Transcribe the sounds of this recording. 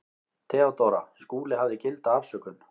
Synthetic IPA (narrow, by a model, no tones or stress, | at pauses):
t̪ʰɛːɔt̪oɾa̰skuːlɪɦavðɪcɪlt̪aafsœːkʏn